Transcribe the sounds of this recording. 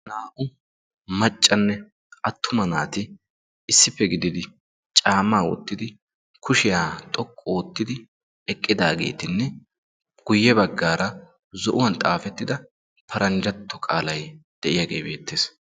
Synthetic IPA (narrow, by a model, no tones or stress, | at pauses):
naːʔʊ | mɐt͡ʃʼːɐnːɛ | ʔɐt̪ːʊmɐnaːt̪ɪ | ɪsːɪpːɛɡɪd̪ɪd̪ɪ | t͡ʃʼaːmːaːwɔ̰t̪ːɪd̪ɪ | kʰʊʃɪjaːt̪ʼɔkʼːɔːt̪ːɪd̪ɪ | ɛkʼːɪd̪aːɡe̞̰ːt̪ɪnːɛ | ɡ̥ʊjːɛbɐɡːaːɾɐ | zɔʔʊwɐnt̪ʼaːfɛt̪ːɪd̪ɐ | pʰɐɾɐnd͡ʒɐt̪ʰːɔkʼaːlɐjd̪̥ɛʔɪjaːɡe̞ːbe̞ːt̪ːeːs